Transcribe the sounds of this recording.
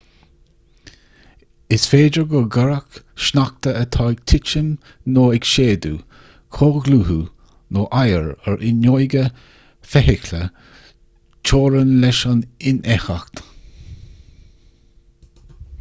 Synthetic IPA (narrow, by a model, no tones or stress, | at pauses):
ɪsfeːd͡ʒəɹɡɔɡəɹək | ʃnak̚t̪əət̪ʰɔjk̚t̪ʰɪt͡ʃən | noːɪkʃeːd̪u | kʰoːɡluːhu | noːʔajəɹəɹʔɪnojɡə | fɛhɪklə | t͡ʃʰoːɹənlɛʃanɪnʔɛxaxt̪